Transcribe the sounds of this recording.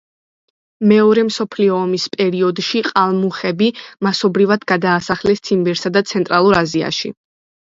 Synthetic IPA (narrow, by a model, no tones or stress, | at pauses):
mɛɔɾɛmsɔpʰliɔːmispʼɛɾiɔd̪ʃiqʼalˠmuχɛbimasɔbɾivad̪ɡad̪aːsaχlɛst̪sʰimbɛɾsad̪at̪sʰɛnt̪ʼɾalˠuɾazia̰ʃḭ